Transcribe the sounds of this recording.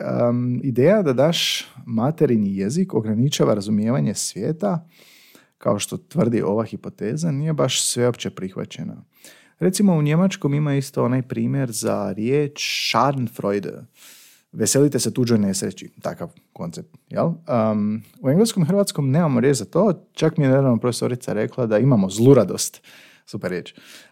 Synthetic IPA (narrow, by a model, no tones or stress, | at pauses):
əid̪eːjad̪ad̪aʃmat̪e̞ɾinijeziko̞ɡɾanit͡ʃaʋaɾazumje̞ːʋaɲe̞sʋje̞ːt̪a | kao̞ʃt̪o̞t̪ʋr̩d̪ḭʔo̞ʋaxipo̞t̪e̞ːzaniːje̞baʃsʋe̞opt͡ɕe̞pɾixʋa̰t͡ɕe̞̰na̰ | ɾe̞t̪simo̞uɲe̞mat͡ʃko̞mimaist̪oo̞najpɾiːmje̞ɾza̰ɾjeːt͡ʃʃaɾnfɾo̞jd̪̰ | ʋe̞se̞lit̪e̞set̪uːd͡ʒojne̞sɾḛt͡ʃit̪a̰kaʋ | ko̞nt̪ep̚t̪jḛl | ueŋɡlesko̞mixɾrʋat̪sko̞mne̞ːmamoɾjet͡ʃzat̪o̞ːt͡ʃakmijenad̪ɾaʋnopɾofeso̞ɾit̪saɾe̞klˠad̪aimamo̞zlˠuɾad̪o̞̰st̪ | supeɾje̞ːt͡ʃ